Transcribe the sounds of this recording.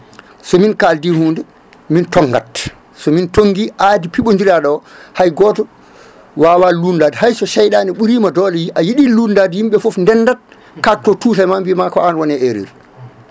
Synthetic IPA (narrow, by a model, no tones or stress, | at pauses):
sɔminkaldihuːndɛ | mintɔŋɡa̰t | sɔmintoŋɡiʔaːdipiɓond͡ʒiɾaɗɔhajɡɔːtɔ | waːwalundaːdihajsɔʃajɗaːnɛɓuɾiːmadɔlɛjiʔajiɗilundadihimɓɛfofndɛnːdat̚ | katːɔtuːtajmambimakɔanwɔnɛeɾḭɾ